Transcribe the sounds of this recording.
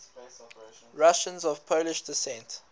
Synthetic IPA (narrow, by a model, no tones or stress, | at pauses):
ɹaʃə̃nzɔv̥pʰoʊlɪʃdɪsɛ̃nt